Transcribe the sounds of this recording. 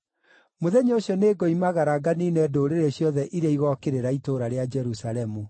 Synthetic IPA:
moðɛɲooɕjɔneːɡɔimaɣaɾaɡaniːnɛdoɾeɾeɕjɔðɛʔiɾeiɣɔkeɾeɾaitoɾaɾead͡ʒɛɾusaɾɛmu

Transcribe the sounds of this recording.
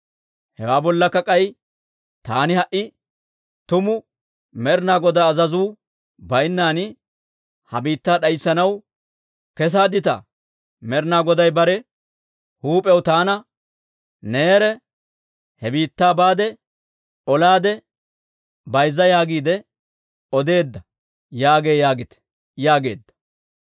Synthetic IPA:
hɛwaːbɔlːɐkːɐkʼɐj | t̪a̰ːnɪhɐʔɪ | t̪ʊmʊ | mɛɾnaːɡɔd̪aːzɐzuː | bɐjnːaːnɪ | hɐbiːt̪ːaːɗɐjsːɐnɐw | kɛs̬aːd̪ɪt̪ɐ̰ | mɛɾnaːɡɔd̪ɐjbɐɾɛ | huːpʼɛwt̪aːnɐ | neːɾɛ | hɛbiːt̪ːaːbaːd̪ɛ | ɔlaːd̪ɛ | bɐjzːɐjaːɡiːd̪ɛ | ɔd̪e̞ːd̪ːɐ | jaːɡe̞ːjaːɡɪt̪ɛ̥ | jaːɡe̞ːd̪ːɐ̥

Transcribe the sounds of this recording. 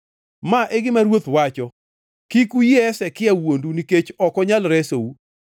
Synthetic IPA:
maʔɛɡɪmaɾwot̪wat͡ʃɔ | kikujeɛsɛkɪawonduniket͡ʃɔkɔɲalɾɛsou

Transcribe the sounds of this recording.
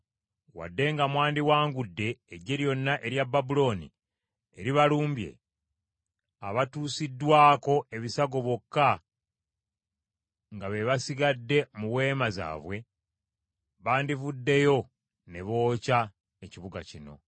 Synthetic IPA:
wa̰dːe̞ŋɡamwaːndiwaːŋɡudːe̞ːɟe̞ɾjo̞nːaʔe̞ɾjabːabulo̞ːnḭ | eɾiβaluːmbje̞̰ | aβatuːsidːwaːko̞e̞βisaɡo̞βokːa | ŋɡaβe̞βasiɡadːe̞muwe̞ːmaza̰ːβwe̞ | βaːndivudːe̞jo̞ | ne̞βo̞ːca | eciβuɡa̰cino̞̰

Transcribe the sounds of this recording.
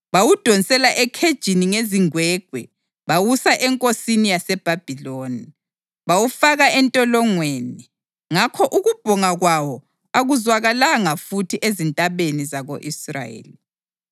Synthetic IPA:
βawud̥ʱonsʼɛlaʔɛkʰed̥ʒ̥ʱiniŋeziŋwɛɡ̥̚ʱwɛ | βawusaʔɛŋkʼosinijasɛb̥ʱab̥ʱiloːni | βawufaɣaɛntʼɔlɔŋweːni | ŋakʰɔʔuɣub̥ʱɔŋaɣwawɔ | aɣuzwaɣalaŋafutʰiʔezintʼaβenizaɣoʔisra̰jḛːli

